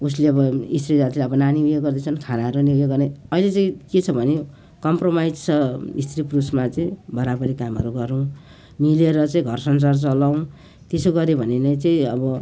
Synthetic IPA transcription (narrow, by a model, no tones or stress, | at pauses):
us̬leʌbʌist̪rid͡zat̪ʰilaʌbʌnaniujeɡʌrd̪et͡sʰʌnkʰanaɦʌɾuniujeɡʌrnajʌilet͡saĩket͡sʰʌbʱʌne | kʌmpromajd͡zt͡sʰʌist̪riprusmat͡saĩbʌɾabʌɾikamʌ̰ɾuɡʌɾũ | mileɾʌt͡saĩɡʱʌrsʌnsart͡sʌlaw̃ | t̪esoɡʌɾebʱʌnenʌjt͡saĩʌbʌ